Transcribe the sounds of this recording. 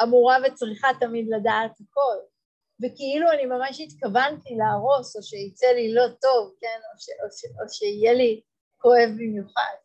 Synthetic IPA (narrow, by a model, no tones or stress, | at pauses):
amuʁavet͡sʁiχatamidladaːthako̞l | vekiiluanimamaʃit̪kavantilaːʁo̞so̞ʃeit͡selilo̞to̞vke̞noʃeʔoʃeoʃeijeli | ko̞e̞vbimjuχa̰d̥̚